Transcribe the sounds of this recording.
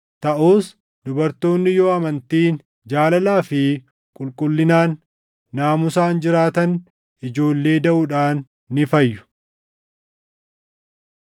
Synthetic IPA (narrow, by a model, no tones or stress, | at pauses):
t̪ɐʔuːs | d̪ʊbɐɾt̪o̞ːnːɪjoːɐmɐnt̪iːn | d͡ʒaːlɐlaːfɪ | kʼʊlkʼʊlːɪnaːnː | aːmʊsaːnd͡ʒɪɾaːt̪ɐn | ʔɪd͡ʒo̞ːlːe̞ːd̪ɐʔʊᶑaːnː | ɪfɐjːʊ̥